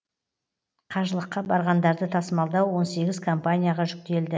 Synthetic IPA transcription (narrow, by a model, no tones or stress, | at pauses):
qʰɑʒəlˠəqːɑbɑɾʁɑnd̪ɑɾd̪ət̪ʰɑsəmɑlˠd̪ɑwwo̞nse̞ɡʲɪzkʰo̞mpanʲijaʁɑʒʏk̚t̪e̞ld̪ɪ